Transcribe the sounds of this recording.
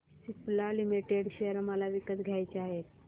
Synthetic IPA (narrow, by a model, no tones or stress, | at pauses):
siplalimiʈeɽɕeəɾmalaʋikət̪ɡʱjajt͡ɕaɦet̪